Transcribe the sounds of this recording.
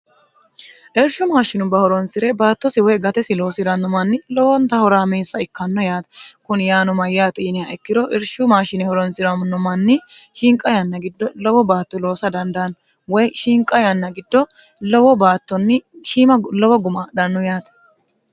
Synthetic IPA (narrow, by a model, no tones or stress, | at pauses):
ʔɪɾʃʊmaːʃːɪnʊbɐhɔɾɔnsɪɾɛbaːt̪ːɔsɪwɛɡɐt̪ɛsɪlo̞ːsɪd̪ɐnːʊmɐnːɪlɔwɔnt̪ɐhɔɾaːmeːsːɐɪkːɐnːɔjaːt̪ɐkʊnjaːnɔmɐjːaːt̪ʼiːnɪaʔɛkːɪd̪ɔʔɛɾʃʊmaːʃɪnɛhɔɾɔnsɪɾɐmnʊmɐnːɪʃɪŋkʼɐjɐnːɐɡɪd̪ːɔlɔwɔbaːt̪ːɔlo̞ːsɐd̪ɐnd̪ɐn | wɔjʃiŋkʼːɐjɐnːɐɡɪd̪ːɔ | lɔwɔbaːt̪ːɔnːɪʃiːmɐlɔwɔɡʊmɐd̪ɐnːɔjaːt̪ɐ̥